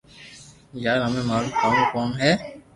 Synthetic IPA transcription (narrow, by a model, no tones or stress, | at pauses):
jaːɾɦɐmẽmaːlukaːnukaːmɦɛː